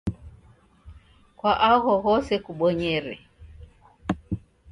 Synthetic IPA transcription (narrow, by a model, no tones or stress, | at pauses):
kwaʔaɣɔɣɔsɛkuɓɔɲɛɾɛ